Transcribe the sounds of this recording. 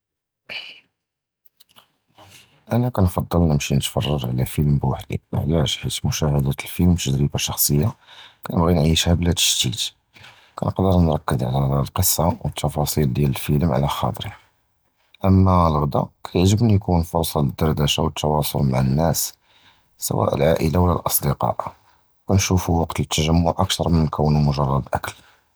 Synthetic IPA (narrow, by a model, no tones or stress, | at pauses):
ʔænækænfɑd̪ˤːəlnəmʃinət̪fɑrˤːɑɾˤʕlæfilmbwaħd̪ḭwə̰ħd̪æʒħit̪mʊʃæhəd̪æt̪əlfilmt̪əd̪ɾibaʃɑxsˤəjːakænəbɣinʕiʃhæblæt̪ə̥ʃt̪it̪ | kʰæ̰nəqd̪əɾnɾˤɑkːəd̪ʕlælqəsˤːɑwət̪ʰːɑfɑsˤild̪jæləlfələmʕa̰læxɑ̰t̪ˤɾi | ʔəmːælɣd̪æ̰kʰæjəʕʒəbnjkunfʊɾˤsˤɑləd̪ːɑɾˤd̪æʃawət̪ʰːɑwɑsˤolmaʕanːæs | sə̰wæ̰ʔə̰lʕaʔəlawlːæ̰lʔɑsˤd̪əqɑ̰ʔ | wkænʃufuwɑqt̪t̪ʰːæʒæmːʊʕʔækt̪ɑɾˤmənːkʰəwːnumʊʒɑrˤːɑd̪ʔækəl